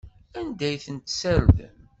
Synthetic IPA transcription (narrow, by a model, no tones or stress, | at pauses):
ænd̪æjθənt̪sæɾðə̰n